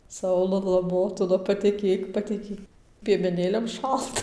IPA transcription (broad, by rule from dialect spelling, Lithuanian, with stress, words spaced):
ˈsɐʊlˠɐlˠɐ ˈmoːtʊlˠɐ pɐˈtʲæːkʲeːk pɐtʲɛˈkʲeːk pʲiɛmʲɛˈnʲeːlʲɛm ˈʃɐlˠtɐ